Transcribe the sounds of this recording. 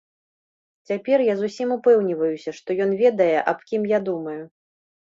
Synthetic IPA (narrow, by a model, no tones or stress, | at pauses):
t͡sʲapʲɛrjazusʲimupɛwnʲivɐjusʲɐʂt̪ɔjɔnvʲɛd̪ɐjɛʔapkʲimjad̪umɐju